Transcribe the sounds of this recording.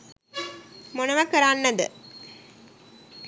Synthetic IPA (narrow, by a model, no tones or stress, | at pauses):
monɐʋɐkəɾanːɐd̪ə̰